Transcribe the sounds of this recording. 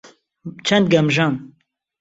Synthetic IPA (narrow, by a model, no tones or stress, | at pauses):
t͡ʃʰɛnd̪̚ɡɐmʒɑːn